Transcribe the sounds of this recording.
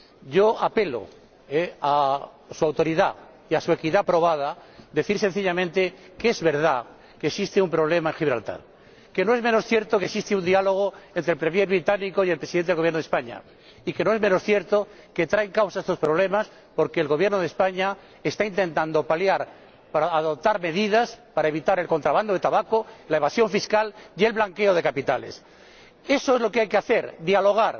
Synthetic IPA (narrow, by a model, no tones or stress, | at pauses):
ɟ͡ʝo̞ape̞lo̰ | ea | suawt̪o̞ɾiða | iasue̞kiðapɾo̞β̞að̞ad̪e̞θiɾse̞n̟θiʎamẽnt̪e̞ | keezβe̞ɾða | kesist̪eumpɾo̞β̞le̞maeŋxiβɾa̰lt̪a̰ɾ | ke̞noe̞zmeno̞sθje̞ɾt̪okesist̪eund̪ialo̞ɣ̞oent̪ɾelpɾemjeɾβɾit̪anikoielpɾesiðent̪eɣojenoðespaɲa̰ | ike̞no̞emeno̞sθje̞ɾt̪o̞ | ke̞t̪ɾaeŋkawsaest̪o̞spɾo̞βle̞mas | po̞ɾke̞ːlɣo̞βje̞ɾnoð̞e̞spaɲa | est̪aint̪e̞nt̪and̪o̞paljaɾ | paɾaːðo̞p̚t̪aɾme̞ðiðaspaɾae̞β̞it̪aɾe̞lko̞nt̪ɾaβand̪oðe̞t̪aβakolae̞βasjo̞ɱfiskale̞lβlaŋke̞oð̞e̞kapit̪alḛs | e̞so̞e̞zlo̞keajkeaθe̞ɾðialo̞ɣ̞aɾ